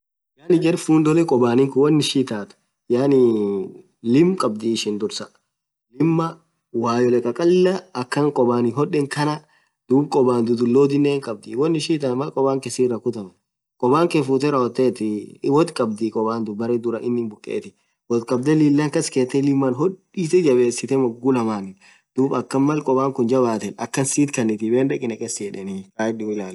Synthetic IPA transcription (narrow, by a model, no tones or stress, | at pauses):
jaːnɪɡɛɾfuːnd̪ɔlɛkʼɔbaːnɪŋkʊwɔnːɪʃiːt̪aːt̪ʊ̥ | jaːnɪ | lɪmkʼɐb̚d̪ɪːʃɪnd̪ʊɾsɐ | lɪmːɐ | waːjɔlɛkʼɐkʼɐlːɐɐkːɐŋkʼɔbaːnɪɦɔᶑːɛŋkɐnɐ | d̪̥uːbkʼɔbaːnd̪ʊd̪ʊlːoːd̪ɪnːeːŋkʼɐb̚d̪ɪwɔnːɪʃiːt̪aːmɐkʼɔbaːŋkɛsɪːrːɐkʊt̪ɐmɛ | kʼɔbaːŋkɛfuːt̪ɛɾɐhɔt̪ːeːt̪ɪwɔt̪kʼɐb̚d̪ɪkʼɔbaːnd̪ʊbɐɾɛːd̪ʊɾɐʔɪnːɪnbʊkʼːḛːt̪ɪ | wɔt̪kʼɐb̚d̪ɛliːlːɐŋkɐskeːt̪ːɛlɪmːanɦɔɗ | it̪ɛd͡ʒɐbeːsːɪt̪ɛmɐɡːʊlɐmaːnɪn | d̪̥uːbɐkːɐnmɐlkʼɔbaːŋkʊnd͡ʒɐbaːt̪ɛnɐkːɐnsiːt̪kɐnːɪt̪ɪbeːndɐkʼːɪnɐkʼɛsjɛᶑɛnɪkaːɪᶑɪɪlaːl